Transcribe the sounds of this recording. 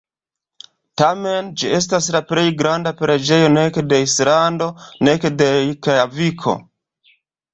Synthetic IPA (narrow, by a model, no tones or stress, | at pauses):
tame̞nd͡ʒie̞s̬taslaple̞jɡɾandapɾed͡ʒe̞jo̞ne̞kede̞islando̞ne̞kedeikaavikʰo̞̰